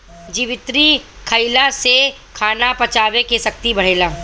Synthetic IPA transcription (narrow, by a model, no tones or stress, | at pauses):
d͡ʒiːʋɪt̪ɾikʰɐɪlase | kʰaːnapɐt͡ʃaːʋekesɐkt̪ibɐɽ̤eːlaː